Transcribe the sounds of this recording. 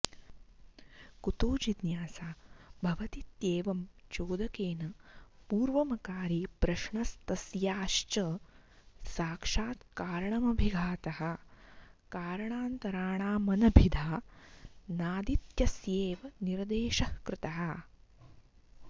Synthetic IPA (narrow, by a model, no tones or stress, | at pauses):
kut̪oːd͡ʒid̪jaːsaːbʱɐʋɐt̪it̪jeːʋɐmt͡ʃoːd̪ɐkeːnɐpuːɾʋɐmɐkaːɾipɾɐʃɳɐst̪ɐsjaːʃt͡ʃɐ | saːkʂaːt̪kaːɾɐɳɐmɐbʱiɡʱaːt̪ɐɦɐ̆ | kaːɾɐɳaːnt̪ɐɾaːɳaːmɐnɐbʱid̪ʱaː | naːd̪it̪jɐsjeːʋɐniɾd̪eːʃɐhkɾɪt̪ɐɦɐ̆